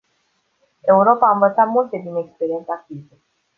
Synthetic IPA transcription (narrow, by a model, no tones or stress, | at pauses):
e̞uɾo̞paːɨɱvət̪sat̪mult̪e̞d̪inekspeɾie̞nt̪sak̚ize